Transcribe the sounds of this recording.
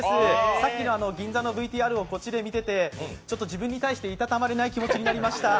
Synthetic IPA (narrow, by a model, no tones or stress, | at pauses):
esɨsakʲːino̞ano̞ɡʲĩnd͡zano̞bɯ̟it̪ʲiːaɾɯ̟o̞ko̞t͡ɕid̪e̞mʲit̪e̞t̪e̞t͡ɕo̞t̪ːo̞d͡ʑibɯ̟̃ɲ̟ːit̪aiɕi̥t̪e̞it̪at̪amaɾe̞naikʲimo̞t͡ɕiɲ̟inaɾʲimaɕi̥t̪a